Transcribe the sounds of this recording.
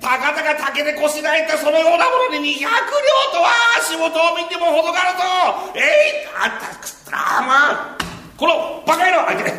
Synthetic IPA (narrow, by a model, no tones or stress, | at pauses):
p̪akat̪aɡat̪aked̪eko̞ɕid̪ait̪ːaso̞no̞jo̞ːnamo̞noɲʲiɲʲiçakɯ̟ɾʲjoːt̪o̞βaɕiɡot̪oːmʲind̪emoɦod̪oɡaɾɯd̪oeiat̪akt̪ɾa̰ma | konobakaiɾoakeɾe